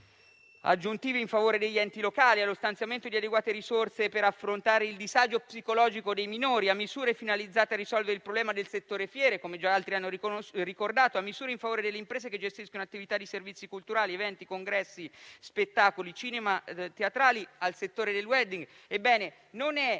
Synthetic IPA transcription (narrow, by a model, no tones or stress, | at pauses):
a̰d͡ʒːunt̪iːviɱfavoːɾed̪eʎːɛnt̪ilokaːlialːost̪ant̪sjament̪od̪iad̪eɡwaːt̪eɾisort̪sepeɾafːɾont̪aːɾeild̪izad͡ʒopsikolɔːd͡ʒikod̪ejminoːɾiamːizuːɾefinalid̪zːaːt̪earisɔlveɾeilpɾoblɛːmad̪elset̪ːoːɾefjɛːɾekomed͡ʒaalt̪ɾianːorikord̪aːt̪oamːizuːɾeiɱfavoːɾed̪elːeimpɾeːzeked͡ʒest̪iskonoat̪ːivit̪ad̪ːiservit̪sːikult̪uɾaːlievɛnt̪ikoŋɡɾɛsːispet̪ːaːkolit͡ʃiːnemat̪eat̪ɾaːlialset̪ːoːɾed̪elwɛd̪iŋɡ | ebːɛːne | nonɛ